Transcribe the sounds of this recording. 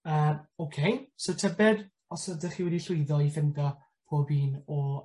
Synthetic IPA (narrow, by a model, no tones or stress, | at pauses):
əːmowkʰejsotʰɛbɛd | ɔsədɛχiːwɛdiɬʊjðɔifɪndɔ | pʰoːbiːnɔ